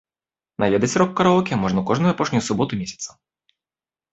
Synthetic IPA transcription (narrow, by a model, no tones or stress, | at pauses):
nɐlʲɛd̪ɛsʲɾɔkːɐɾɐɔkʲiɐmɔʐnɐkɔʐnʊjʊɐpɔʃnʲʊjʊsʊbɔt̪ʊmʲisʲɐ̥t̪sɐ̥